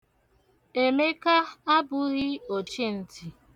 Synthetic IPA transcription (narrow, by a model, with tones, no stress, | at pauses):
e˨me˦ka˦a˦bʊ˨ɣɪ˦o˨t͡ʃe˦n̩˨tʰi˨